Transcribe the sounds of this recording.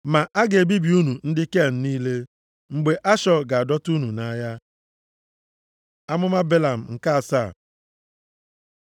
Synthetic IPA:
ma˨ʔa˦ɡe˨bi˦bi˨u˦nu˨n̩˦dɪ˦ke˦a˨n̩˦niː˦le˦ | ŋ͡m̩˨ɡ͡be˨ʔa˦ʃɔ˦ɡa˨a˨dɔ˦tu˦nu˨na˦ja˦ | a˦mʊ˦ma˦be˦la˨m̩˨ŋ̩˨ka˦a˨sa˦˨

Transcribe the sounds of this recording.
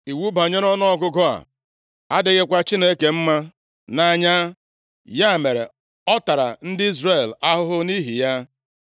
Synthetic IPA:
i˨wu˦ba˨ɲe˦ɾɔ˦nɔ˦ɔ˦ɡʊ˦ɡɔ˦a̰˨ | a˦dɪ˦ɣɪ˦kʷa˦t͡ʃi˦ne˦ke˨m̩˦ma˦ | na˨ɲa˦ | ja˦˨me˨ɾḛ˨ | ɔ˦ta˨ɾa̰˨n̩˦dɪ˦i˦zre˦˨la˦ɦʊ˦ɦʊ˦ni˦ɦi˨ja˦

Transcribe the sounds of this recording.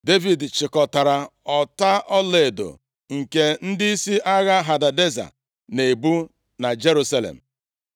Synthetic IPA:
de˦vi˨dt͡ʃɪ˨kɔ˨ta˨ɾa˨ɔ˨ta˦ʔɔ˦le˨do̰˨ | ŋ̩˨ke˦n̩˦dɪ˦i˦si˦ʔa˦ɣa˦ɦa˨da˨de˦za̰˨ | ne˨bu˦ | na˨d͡ʒe˦ɾu˦sa˦lḛ˨m̩˨

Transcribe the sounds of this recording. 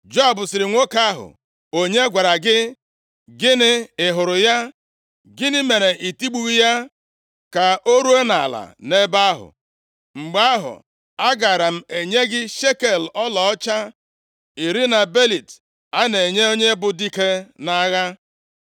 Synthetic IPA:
d͡ʒo˦a˨bʊ˨sɪ˨ɾɪ˨ŋʷo˦ka˦ɦʊ̰˨ | o˦ɲe˦ɡʷa˨ɾa˨ɡɪ˦ | ɡɪ˦nɪ˦ɪ˨ɦʊ˨ɾʊ˨ja˦ | ɡɪ˦nɪ˦me˨ɾe˨ʔi˨ti˦ɡ͡bu˦ɣi˦ja˦ | ka˨o˦ɾu˦e˦na̰˨la̰˨ne˦ba˦ɦʊ̰˨ | ŋ͡m̩˨ɡ͡ba˦a˦ɦʊ̰˨ | a˦ɡa˨ɾa˨m̩˦e˨ɲe˦ɡɪ˦ʃe˦ke˨lɔ˦lɔ˨ɔ˦t͡ʃa˦ | i˨ɾi˦na˨be˦li˨t | a˦ne˨ɲe˦o˦ɲe˦bʊ˨di˦ke˦na˦ɣa˦

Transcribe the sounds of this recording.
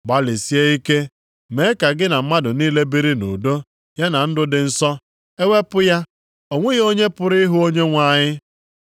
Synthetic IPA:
ɡ͡ba˦li˨si˦e˦i˦ke˦ | me˨˦ka˨ɡɪ˦na˨m̩˦ma˦dʊ˨niː˦le˦bi˦ɾi˦nṵ˨do˦ | ja˦na˨n̩˦dʊ˦dɪ˨n̩˦sɔ˦ | e˦ŋʷe˦pʊ˦ja˦ | o˨ŋʷe˦ɣo˦ɲe˦pʊ˨ɾɪ˦ɦʊ˦o˦ɲe˦ŋʷa˨ɲɪ˦

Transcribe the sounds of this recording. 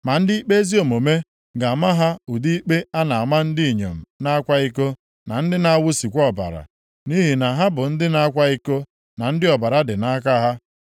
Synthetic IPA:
ma˨n̩˦di˦i˦k͡pe˦zi˦o˨mo˨me˦ | ɡa˨ma˦ɦa˦u˨di˦k͡pe˦a˦na˨a˨ma˦n̩˦di˦i˨ɲḛ˨m̩˨na˦a˦kʷa˦i˦ko˦ | na˨n̩˦dɪ˦na˦wʊ˦si˨kʷɔ˦˨ba̰˨ɾa̰˨ | ni˦ɦi˨na˨ɦa˦bʊ˨n̩˦dɪ˦na˦a˦kʷa˦i˦ko˦ | na˨n̩˦dɪ˦ɔ˨ba˨ɾa˦dɪ˨na˦ka˦ɦa˦

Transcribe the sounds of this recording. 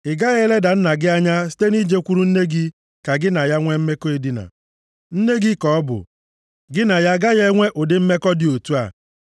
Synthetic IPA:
ɪ˨ɡa˦ɣe˦le˦da˨n̩˦na˨ɡɪ˦a˦ɲa˦si̥˦te˦ni˦d͡ʒe˦kʷu˦ɾu˦n̩˦ne˦ɡɪ˦ | ka˨ɡɪ˦na˨ja˦ŋʷe˦m̩˦me˦ko˦e˨dɪ˦na̰˨ | n̩˦ne˦ɡɪ˦kɔ˨ɔ˦bʊ̰˨ | ɡɪ˦na˨ja˦ɡa˦je˦ŋʷe˦ʔo˨dɪ˦m̩˦me˦kɔ˦dɪ˨o˨tu˦a˨

